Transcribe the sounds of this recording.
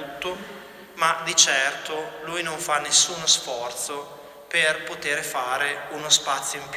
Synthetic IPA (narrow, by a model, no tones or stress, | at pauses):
t̪ːo | mad̪it͡ʃɛrt̪olujnoɱfanːesːuːnosfɔrt̪so | perpot̪eːɾfaːɾeunospat̪sːjoimp